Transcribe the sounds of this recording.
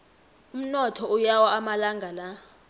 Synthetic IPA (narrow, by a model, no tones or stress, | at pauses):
um̩nɔtʰɔujawaamalaŋɡʱala